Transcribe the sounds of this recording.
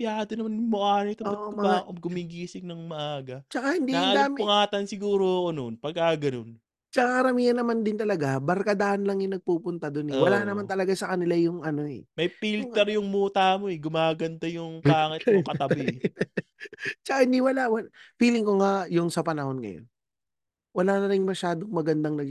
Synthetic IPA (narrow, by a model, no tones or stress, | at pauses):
pjaːd̪ɐnɐmanjmoʔaːnɪt̪ʊoʔomɐoɡʊmiɡiːsɪŋ̚nɐŋmɐʔaːɡɐt͡ʃɐkahɪnd̪iand̪aːʊŋaːt̪ɐnsɪɡuːɾokononpɐɡ̚kaɡɐnon | t͡ʃɐkakɐɾɐmiːɐnːɐmand̪ɪnt̪ɐlɐɡabɐɾkad̪aʔɐnlɐŋjʊŋnɐɡ̚puːpʊnt̪ɐd̪onɛwɐlaʔnɐmant̪ɐlɐɡasɐkɐnɪlajʊŋʔɐno̞ɛ̰mɐjpilt̪ɛɾjʊŋmuːt̪amoɛɡʊmaːɡɐnd̪ɐjʊŋaːŋɪt̪okɐt̪ɐbɪ | t͡ʃɐkaɪnɪwalawɐfiːlɪŋkoŋajʊŋsɐpɐnɐho̞nŋɐ̰jo̰n | wɐlaːnɐɾɪŋmɐʃaːd̪oŋmɐɡɐnd̪aŋnɐɡ